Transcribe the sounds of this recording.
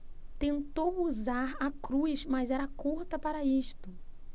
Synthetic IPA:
t̪ẽnt̪owuzaɾakɾujsmɐzɛɾɐkuɾt̪ɐpaɾɐiʃt̪ʊ

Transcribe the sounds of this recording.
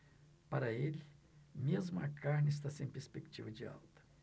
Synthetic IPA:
pɐɾɐelʲɪ | mʲezmɐɐkʰaɾnʲɪs̬t̪asẽpʲeɾspʲekt͡ʃivəd͡ʒɪa̰lˠt̪ə̥

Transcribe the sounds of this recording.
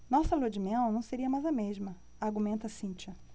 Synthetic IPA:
nɔsɐlod͡ʒimẽw̃nɐ̃w̃seɾiɐmajzɐmeʒmɐ | aɾɡumẽnt̪ɐsĩt͡ʃɐ

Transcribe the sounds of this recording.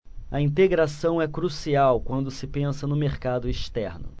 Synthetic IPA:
ɐĩnt̪eɡɾasɐ̃w̃ɛkɾusiawkwɐ̃nd̪ʊsɪpẽsɐnʊmeɾkad̪ʊiʃt̪ɛɾnʊ̰

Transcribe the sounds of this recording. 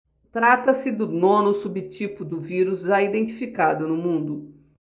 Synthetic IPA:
t̪ɾat̪ɐsɪd̪ʊnõnʊsubɪt͡ʃipʊd̪ʊviɾʊzʒaid̪ẽnt͡ʃi̥fikad̪ʊnʊmũnd̪ʊ

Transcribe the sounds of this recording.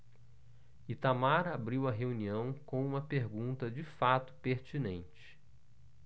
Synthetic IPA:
it̪amaɾabɾiwɐɦeuniɐ̃w̃kõũmɐpeɾɡũnt̪ɐd͡ʒifat̪ʊ̥peɾt͡ʃinẽnt͡ʃɪ̥

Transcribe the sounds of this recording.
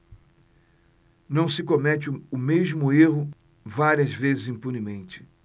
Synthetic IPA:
nɐ̃w̃sɪkomɛt͡ʃɪʊmeʒmʊeɦʊ | vaɾiɐzvezɪzĩmpunimẽnt͡ʃɪ̥

